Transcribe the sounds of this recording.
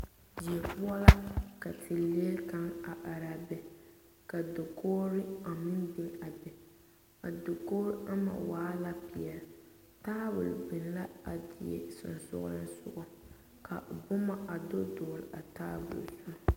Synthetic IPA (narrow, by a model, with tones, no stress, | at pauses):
d͡ʒi˨ɛ˨pʊ˦a˦la˦ka˨tʰɪ˨leː˦lka˦ŋa˨ʔa˨ɾa˨bɛ˨ | ka˨do˨koː˦ɾɪ˦a˨mɪ˦nbɪ˦ŋa˨bɛ˨ | a˨do˨koː˦ɾʔa˦ma̰˨waː˦la˦pi˨ɛ˨l | taː˦bʊ̰˨bɪ˨nla˦a˨dɪ˨ɛ̰˨sʊ̰˨nsʊ̰˦ɣʊ˦ɾɨ˦nsʊ̰˦ʔɔ˦ | ka̰˨bʊ˦ma˦ʔa˨do˦doː˨ɾɪ̰˨ʔa˨taː˦bʊ̰˨lzʊ˦nɔ˦